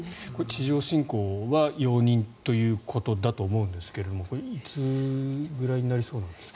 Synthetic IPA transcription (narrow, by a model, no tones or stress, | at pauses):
ko̞et͡ɕiʑo̞ːɕĩŋko̞ːβajo̞ːɲ̟ĩnt̪o̞jɯ̟ːkʰo̞t̪o̞d̪at̪o̞ːmo̞ɯ̟̃nd̪esɨ̥ke̞ɾe̞d̪o̞moko̞ɾeit͡sɨɡɯ̟ɾaiɲ̟inaɾʲiso̞ːnãnd̪̥e̞sk